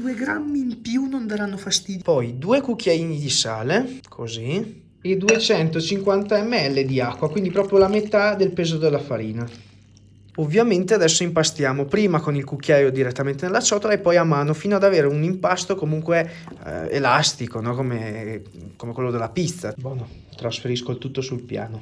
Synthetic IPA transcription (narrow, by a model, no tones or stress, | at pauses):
d̪ueɡɾamːiːmpjunond̪aɾanːofast̪iːd̪pɔjd̪uːekukːjaiːnid̪isaːlekʰozi | ed̪uet͡ʃɛnt̪ot͡ʃiŋkwant̪aɛmːeɛlːed̪iakːwakwind̪ipɾɔːpɾjolamet̪ad̪elpeːzod̪elːafaɾiːna | ovːjament̪ead̪ɛsːoimpast̪jaːmopɾiːmakonilkukːjaːjod̪iɾet̪ːament̪enelːat͡ʃɔt̪oɾaepːɔjamaːnofiːnoad̪aveːɾeunimpast̪okomuŋkwe | ḛlast̪ikonɔkome | komekwelːod̪elːapit̪ːabonɔ | t̪ɾasfeɾiskolt̪ut̪ːosulpja̰ːno